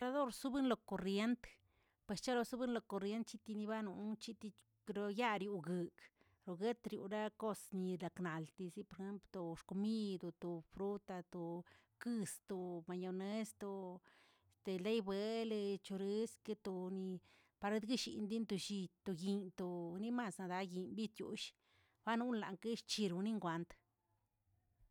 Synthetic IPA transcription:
ɾa˧d̪o˦˨ɾsu˦bɨ˦nlo˧ko˨rje˦nt̪ | pwe˨st͡ʃa˦lo˧su˦bɨ˦nlo˧ko˧rɾje˦nt̪̚t͡ʃi˦t̪i˧ni˧ba˦nu˧˨t͡ʃi˦t̪i˧ | ɾo˧ja˦ɾju˧ɡɨ˨k | ɾo˧ɡe˦t̪ɾjṵ˧ɾa˦ko˦sni˧ɾa˨kna˨lt̪i˧si˦po˧ɾe˧xe˦mplt̪o˨ʂko˧mi˦d̪o˧t̪o˨fɾu˦t̪a˧t̪o˨ | kɨ˧st̪o˨˧ma˧ɲo˧ne˦st̪o˧ | t̪e˨le˦jbe˧˦le˧t͡ʃo˧ɾi˦ske˦t̪o˧ni˧ | pa˧ɾe˧˦d̪ɡi˦ʃḭ˧˨nd̪i˦nt̪o˧ʃi˧t̪o˧ji˧nt̪o˧ni˦ma˧sna˧d̪a˧ɡi˧nbi˦t̪jṵ˧˨ʃ | ba˦nu˦nla̰˨ŋke˦ʃt͡ʃi˧ɾu˧ni˦ŋɡʷa˧nt̪

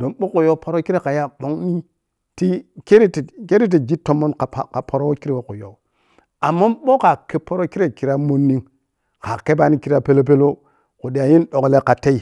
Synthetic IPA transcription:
do˨nɓo˦ku˨jo˦pʰo˨ɾo˦ki˦ɾe˦ka˨ja˦ɓo˦ŋni˦ | ti˦ke˦ɾi˦tke˦ɾi˦t̬i˨d͡ʒi˦tːo˦mːo˦nka˨ka˨pʰo˨ɾo˦wki˦ɾi˨wo˨ku˨jo˨u˦ | a˨mːa˦ɓo˦ka˨ke˦po˦ɾo˦ki˦ɾe˦ki˨ɾa˦mo˦nːi˦ŋ | ka˨ke˦ba˦ni˦ki˨ɾa˦pe˦lo˦p̬e˦lo˦ | ku˨di˨a˨ji˦nɗo˨kle˦ka˨te˦i˦˨

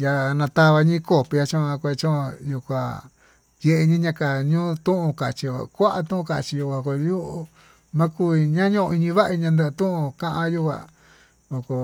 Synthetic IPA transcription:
ja˧nã˧t̪a˧βa˧ɲĩ˦ko˦pi˧ja˧t͡ʃõ˦˧a˧kʷe˧t͡ʃõ˦˧ju˧kʷa˧ | je˧ʔe˧ɲĩ˦ɲã˧ka˨ɲũː˦t̪ũ˦ʔũ˧ka˨t͡ʃi˧a̰˨˧kʷa˦ʔa˧t̪ũ˦ũ˧ka˨t͡ʃi˧ju˧kʷa˧ko˧ju˦ʔ | mã˦ku˦i˧ɲã˦ɲũ˦˧i˧ɲĩ˧βa˦ʔɲã˧nd̪a˧t̪ũ˦ũ˧kã˧ʔã˧ju˦kʷa̰˧˨ | o˧ko˧

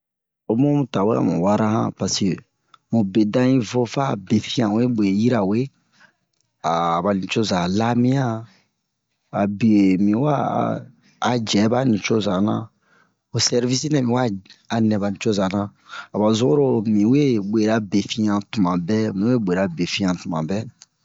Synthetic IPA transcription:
o˨mõ˦mũ˨ta˨wḛ˦a̰˨mũ˨wa˦ɾa˦hã̰˦pa˨se˨ | mũ˨be˨dã˦ĩ˦vo˦fa˦˨be˨fĩ˦ã˨˦e˦be˨ji˦ɾa˨we˦ | a˨ba˨nĩ˨t͡ʃo˦za˨la˦mĩ˦ã˦ | a˨bi˨e˨mĩ˨wa̰ː˦˨ | d͡ʒɛ˨˦ba˦nĩ˨t͡ʃo˦zã˨nã̰˨ | o˨sɛ˦ɾvi˦si˦nɛ̃˨mĩ˨wa˦a˨nɛ̃˨ba˨nĩ˨t͡ʃo˦zã˨nã˨a˨ba˨zo˦o˦ɾo˦mĩ˨we˦be˨ɾa˦be˨fĩ˦ã˨tu˨mã˨bɛ˦mĩ˨we˦bʷe˨ɾa˨be˨fĩ˦ã˨tu˨mã̰˨bɛ˦

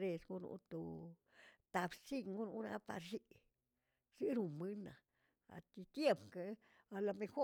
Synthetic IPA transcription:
ɾe˧sɡu˧˦nṵ˧t̪o˧ | t̪a˧bsi˦ŋɡu˦nu˧ɾa˦pa̰˧ɾʃi˦ | si˦ɾu˨˧mɨ˦na̰˨ | a̰˨t̪i˧t̪je˦pka˧ | a˧la˧me˧xo˦

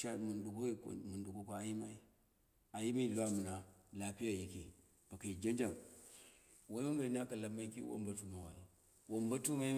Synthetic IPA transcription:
ʃa˦mu˨ndu˨ko˦kmu˨ndu˨ko˦ka˨˦a˨ji˦ma˦i˦ | a˨ji˦ma˦i˦˨lu˦a˦mu˨na˨la˨pi˦ja˨ji˦ke˨ | b̥a˨ka˨i˨d͡ʒa˦nd͡ʒa˦˨m | wo˦wo˦ɡa˨n˦a˦ka˨la˦ma˦i˦kḭ˦wo̰˦mba˦tu˦ma˨˦wa˨i˨ | wo˨mba˦tu˦ma˦i˦

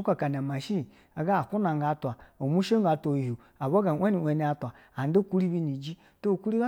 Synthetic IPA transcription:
ka˨ka˨n˨a˨ma˨ʃi˦˨ | a˨ɡa˦˨ku˦na˨ŋɡa˨˦twa˨o˨mu˦ʃe˦ŋ˦ɡa˨to˨ho˨ | a˨ba˦ɡa˨˦e˦ni˨e˨ni˦a˨tʷa˨ | a˨n˦do˦ku˦ɾi˦bi˦ni˨d͡ʒi˦ | to˦˨ku˦ɾi˦ɡa˦

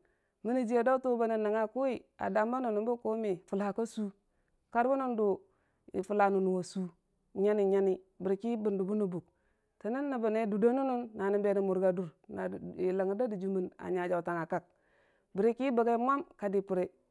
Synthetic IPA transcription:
mi˦ni˨d͡ʒi˦e˨da˦u˦to˦ba˨na˨na˨ŋa˦ku˦i˨a̰˨da˨mba˦nu˨nu˨bu˦ko˦mi˨fu˨lha˨ka˦su˦ | ka˦ɾbu˦nu˦ndo˨ | ḭ˨fu˨la˨nu˨nu˨wo˨su˦ | ɲa˦ni˨ɲa˦ni˦bi˨ɾi˨ki˦bi˨ndu˨bu˦nu˨bu˨k̚ | te˨ni˦nːi˨ba˨ne˦du˨do˦nu˦nu˦nːa˨ni˨be˨ni˨mu˨ɾɡa˨du˨ɾ | na˨i˨la˨ŋi˨da˦di˨d͡ʒu˦mi˦˨na̰˨ɲa˨d͡ʒa˨u˨ta˨ŋa˨ka˨k̚ | bi˨ɾi˦ki˦bə˨ɡe˦mʷ˦a˦mka˨di˨pu˨ɾe˨

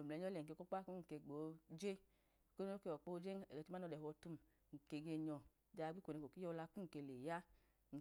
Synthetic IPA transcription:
o˨m˨ɛ˨ɲ˦ɔ˦lɛ˨ŋ̩˨ke˧ko˦k͡pa˦ku˦ŋ̩˨ke˧˨ɡ͡bo˨d͡ʒe˦ | ko˦n˦o˦ke˧˨ɔ˨k͡po˦d͡ʒe˦ŋɛ˨ɡɛ˨˦u˦a˦ɔ˧dɛ˨hɔ˧tu˧˦m | ŋ̩˨ke˨ɡe˧ɲɔ˨ | da˨˧˨ɡ͡bi˦kʷo˨ne˨ko˨ki˦jɔ˧la˧ku˦ŋ̩˨ke˧˨le˨ja˦ | ŋ̩˨

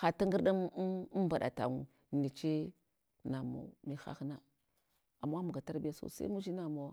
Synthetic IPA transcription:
xa˨ta˦ŋɡi˦ɾɗi˦m˦mba˨ɗa̰˨ta̰˨ŋu˨ | ni˨t͡ʃi˦ | na˨mo̰˨mi˦xa̰˦xna˦ | a˨mːa˦mu˨ɡa˨ta˦ɾbi˦ja˦so̰˨sa̰˦mu˦d͡ʒi˦na˨mo˨˦

